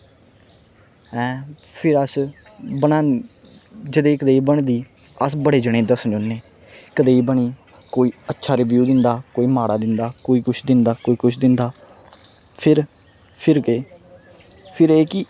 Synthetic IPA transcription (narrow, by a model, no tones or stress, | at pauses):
ɛ̃ː | pʰɪɾəs | bənaː | d͡ʒəd̪eːkəd̪eːiːbəɳd̪iː | əsbəɽeːd͡ʒəɽ̃ẽːd̪əsnd͡ʒonːeː | kəd̪eːiːbəɽ̃iː | koːiːətːʃʰaːɾɪʋjuːd̪ɪnd̪aːkoːiːmaːɽaːd̪ɪnd̪aːkoːiːkʊt͡ʃʰd̪ɪnd̪aːkoːiːkʊt͡ʃʰd̪ɪnd̪aː | pʰɪɾ | pʰɪɾɡeː | pʰɪɾeːkɪ